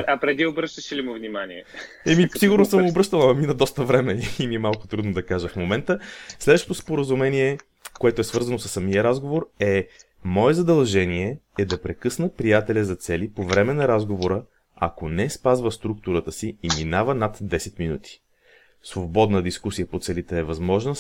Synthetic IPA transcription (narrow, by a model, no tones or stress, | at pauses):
ɐpɾɛd̪iobɾəʃt̪əʃilʲimovnʲimaniɛ | ɛmisiɡʊɾnosəmobɾɤʃt̪əlˠɐmɐminɐd̪ɔst̪əvɾɛmɛimiɛmalˠkʊt̪ɾud̪nod̪ɐkaʒəfmomɛnt̪əslɛd̪vəʃt̪ot̪ʊspoɾəzumɛniɛ | koɛt̪oɛsvɤɾzɐnosə̥sːɐmijəɾazɡovoɾɛ | mɔɛzɐd̪ɐlˠʒɛniɛɛd̪ɐpɾɛkɤsnəpɾijat̪ɛlʲɐzɐt̪sɛlipovɾɛmɛnɐɾazɡovoɾə | ɐ̰konɛspazvəst̪ɾuk̚t̪uɾət̪əsiːminavənat̪d̪ɛsɛt̪minut̪i̥ | svˠobɔd̪nəd̪iskusijəpot̪sɛlit̪ɛːvɐzmɔʒnə